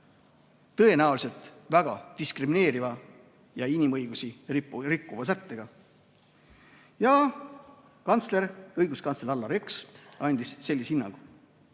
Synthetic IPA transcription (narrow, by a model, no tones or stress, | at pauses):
t̪ɤ̞e̞næwlise̞lt̪ˑvæɡ̥ɑd̪̥iskrimine̞ːɾivɑ | jɑinʲimɤjɡ̥usiirikːˑuvɑsæt̪ːe̞ɡ̥ɑ | jɑ | kɑnt̪sle̞ɾɤjɡuskɑnsleɾɑlːɑɾeksɑnʲd̪isːe̞lːishinːɑ̰ŋɡ̥u